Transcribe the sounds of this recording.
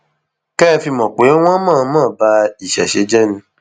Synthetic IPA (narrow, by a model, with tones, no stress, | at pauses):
kɛ˦fi˧mɔ̃˨k͡pe˨˦w̃ɔ̃˦mã˦˨˦mãː˦˨ba˧i˨ʃɛ̰˨ʃe˨˦d͡ʒɛ˦nĩ˧˦